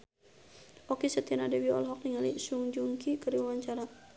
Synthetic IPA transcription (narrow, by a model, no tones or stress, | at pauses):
ʔɔkisɛt̪ɛnadɛwiɔ̰lɦɔk̚niŋalisuŋd͡ʒuŋkikəɾiwawaɲt͡ʃaɾa